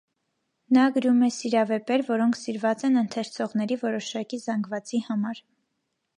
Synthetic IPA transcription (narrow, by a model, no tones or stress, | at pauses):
nɑɡəɾumɛsiɾɑvɛpɛɾvɔɾɔŋkʰsiɾvɑt͡sɛnənt̪ʰɛɾt͡sʰɔʁnɛɾivɔɾɔʃɑkizɑŋɡvɑt͡sihɑmɑɾ